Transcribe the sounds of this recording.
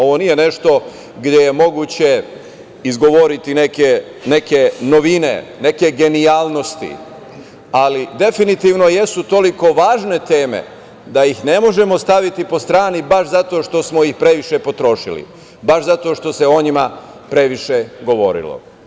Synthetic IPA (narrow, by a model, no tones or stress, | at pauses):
o̞ʋo̞nije̞ne̞ʃt̪o̞ | ɡd̪je̞je̞mo̞ɡuːt͡ɕe̞ | izɡo̞ʋo̞ɾit̪ineke | ne̞ke̞no̞ʋine̞̰ne̞ke̞ɡe̞niaːlˠno̞st̪ḭ | alid̪e̞finit̪iːʋno̞je̞sut̪o̞liko̞ʋaːʒne̞t̪eːme̞̰ | d̪ajixne̞mo̞ʒe̞mo̞st̪aʋit̪ipo̞st̪ɾaːnibaʃzat̪o̞ːʃt̪o̞smo̞jixpɾe̞ʋiʃe̞po̞t̪ɾo̞ʃḭlḭ | baʃzat̪o̞ʃt̪o̞se̞o̞ɲima | pɾe̞ʋiʃe̞ɡo̞ʋo̞̰ɾḭlo̰